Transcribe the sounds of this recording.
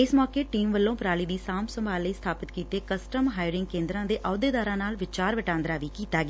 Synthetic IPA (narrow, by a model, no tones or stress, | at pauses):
ɪsmɔːkeːʈiːmʋəlːõːpɾaːliːd̪iːsaːmsəmbʱaːlːəiːst̪ʰaːpɪt̪kiːt̪eːkəsʈəmɦaːɪɖɪŋɡ̚kẽːnd̪ɾãːd̪eːʔɔːd̪eːd̪aːɾãːnaːlʋɪt͡ʃaːɾʋəʈãːnd̪ɾaːʋiːkiːt̪aːɡeː